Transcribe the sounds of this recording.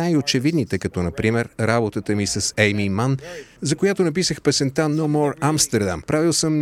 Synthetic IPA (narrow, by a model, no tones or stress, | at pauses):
ajot͡ʃɛvid̪nit̪ɛkɐt̪ɔnɐpɾimɛɾɾabot̪ət̪əmisɐsɛjmimanzɐkojat̪onɐp̬isəxpɛsɛnt̪anomɔɾamst̪ɛɾd̪a̰mpɾavilˠsəm